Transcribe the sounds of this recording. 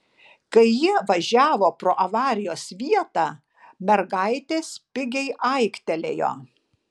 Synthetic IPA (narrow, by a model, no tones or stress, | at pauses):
kɐɪjiʋɐʒʲæːʋoːpɾoːʔɐʋɑːɾʲɪjoːsʋʲiɛt̪ɑ | mʲɛɾɡɐɪt̪ʲeːspʲɪɡʲɛɪʔɐɪkt̪ʲɛlʲḛːjo̰ː